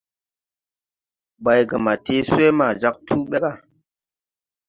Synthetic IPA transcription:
ba˨jɡa˨ma˨tʰe˨˦se˦ma˨d͡ʒa˦k̚tʰu˦ɓe˦ka˨

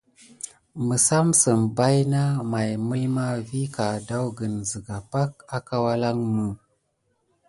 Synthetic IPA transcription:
mə˨sa˦msə˨mba˦jna˦ma˨jmə˦lma˦vi˦ka˨da˦wɡə˨nzə˨ɡa˨pa˦k̚a˨ka˦wa˦la˦ŋmu˨

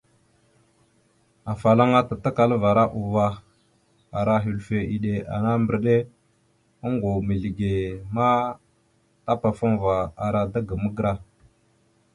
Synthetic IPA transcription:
a˨fa˨la˦ŋa˦ta˨ta˦ka˨lva˨ɾa˦ʔu˨va˨ | a˨ɾa˦ɦi˨lfe˨ʔi˨ɗe˨a̰˨na˦mbə˨ɾɗe˦ | a˦ŋɡo˨mi˨ɮi˨ɡe˨ma˦ | ta˦pa˨fu˦ŋva˨a˨ɾa˨da˦ɡə˨mə˦ɡə˦ɾa˦

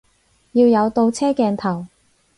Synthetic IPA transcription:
jiː˧wjɐ˨˧wt̪o˧wt͡sʰɛː˥kɛː˧nt̪ʰɐ˨˩w

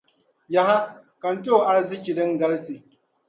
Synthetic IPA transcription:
ja˦ɦa˦ | kɐ˨n˦toː˦˨ʔa˦ɽzi˦kʲi˨dɪ˦ŋɡɐ˦lsiː˨

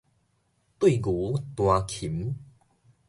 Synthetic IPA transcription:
t̪wi˥˨ɡu˨˦t̪w̃ã˨˧kʰi˨˩˦m

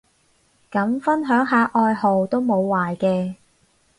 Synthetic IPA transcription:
kɐ˨˥mfɐ˥nɦœː˨˥ŋɦaː˨˧ʔɔː˧jɦo˨wt̪o˥wmo˨˧wːaː˨jkɛː˧

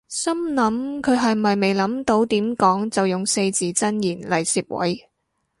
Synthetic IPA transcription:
sɐ˥mlɐ˨˥mkʰɵ˨˧ɥɦɐ˨jmɐ˨jme˨jlɐ˨˥mt̪o˨˧˥wt̪iː˨˥mkɔː˨˥ŋt͡sɐ˨wjʊ˨ŋse˧jt͡siː˨˥t͡sɐ˥njiː˨˩nlɐ˨˩jsiː˨˧p̚wɐ̰˨˥j

